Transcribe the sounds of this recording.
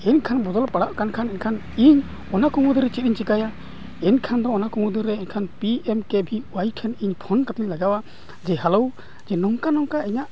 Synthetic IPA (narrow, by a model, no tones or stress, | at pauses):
ɛnkʰanbɔd̪ɔlpaɽaʔkankʰanɛnkʰan | iɲ | ɔnakuŋud̪iɾɛt͡ʃit̪̚iɲt͡ʃikaja | ɛnkʰand̪ɔːnakuŋud̪ɯɾɛɛnkʰanpiɛmkɛbʱiwajkʰaniɲpʰɔnkat̪iɲlaɡawa | d͡ʒɛɦalow | d͡ʒɛnɔŋkanɔŋkaiɲaʔ